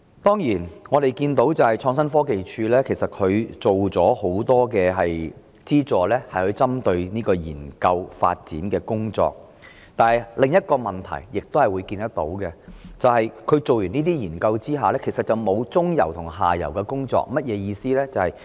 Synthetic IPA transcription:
t̪ɔː˥ŋjiː˨˩nŋɔː˨˧ɾe˨jkiː˧nt̪o˨˥wt͡sɐ˨whɐ˨jt͡ʃʰɔː˧ŋsɐ˥nfɔː˥ke˨jt͡ʃʰyː˧lɛː˥kʰe˨˩jsɐ˨t̚kʰɵ˨˧ɥt͡so˨wt͡sɔː˨˥ho˨˥wt̪ɔː˥kɛː˧ɦɐ˨j | t͡siː˥t͡sɔː˨lɛː˥hɐ˨jhɵ˨˧ɥt͡sɐ˥mt̪ɵ˧ɥniː˥kɔː˧jḭː˨˩nkɐ˧wfa̰ː˧t̚t͡sḭː˨˥nkɛː˧kʊ˥ŋt͡sɔ̰ː˧k̚ | t̪aː˨˧nhɐ˨jlɪ˨ŋjɐ˥t̚kɔː˧mɐ˨nt̪ʰɐ̰˨˩jːɪ˨k̚t̪whɐ˨˩jwuː˨˧jkiː˧nt̪ɐ˥t̚t̪o̰˨˥wkɛ˧t͡sɐ˨whɐ˨jkʰɵ˨˧ɥt͡so˨wjyː˨˩niː˥t̪̬iː˥jiː˨˩nkɐ˧wt͡siː˥ɦaː˨˧lɛː˥kʰe˨˩jsɐ˨t̚t͡sɐ˨˩wmo˨˧wt͡sʊ˥ŋjɐ̰˨˩wt̪ʰʊ˨˩ŋɦa̰ː˨jɐ̰˨˩wkɛ˧kʊ˥ŋt͡sɔ̰ː˧˥k̚mɐ˥t̚jɛː˨˧jiː˧siː˥lɛː˥t͡sɐ˨hɐ˨j

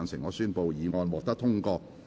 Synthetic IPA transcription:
nsɪ˨˩ŋːɔː˨˧syː˥npo˨˧wjiː˨˧ŋɔː˧nwɔː˨k̚t̪ɐ˥k̚t̪ʰʊ˥ŋkɔː˧

